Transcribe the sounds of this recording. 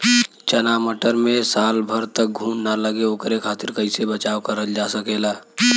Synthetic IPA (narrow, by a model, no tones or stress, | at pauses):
t͡ʃənaməʈəɾmẽsaːlbʱəɾt̪ək̚ɡʱuːnnaləɡeoːkɾekʰaːt̪ɪɾkəɪsebət͡ʃawkəɾəld͡ʒasəkela